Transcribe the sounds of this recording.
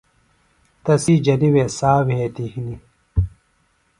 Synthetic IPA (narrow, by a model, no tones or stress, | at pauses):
t̪ɐsid͡ʑɐniwesaːwheːt̪ixni